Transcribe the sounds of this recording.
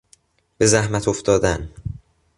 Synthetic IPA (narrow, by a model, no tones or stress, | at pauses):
b̥e̞zæhmæt̪ʰoft̪ɒːd̪æn